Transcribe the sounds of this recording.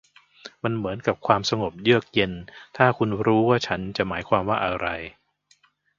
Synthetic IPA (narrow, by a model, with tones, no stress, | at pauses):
ma˧nmɯ˩˦ənka˨˩p̚kʰwaː˧msa˧ŋo˨˩p̚jɯ˥˩ək̚je˧nt̪ʰaː˥˩kʰu˧nɾuː˦˥waː˥˩t͡ɕʰa˦˥nt͡ɕa˨˩ʔmaː˩˦jkʰwaː˧mwaː˥˩ʔa˧ɾa˧j